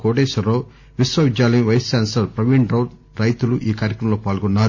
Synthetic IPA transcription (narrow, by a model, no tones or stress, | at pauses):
koːʈeːsɐɾoː | ʋisʋɐʋid͡ʒjaːlɐniʋɐjɐsːaːnsɐɾpɾɐʋiɳɖɾɐw | ɾɐjt̪uluʔiːkaːɾjɐkɾɐmɐloːpaːlɡɔnːaːɾu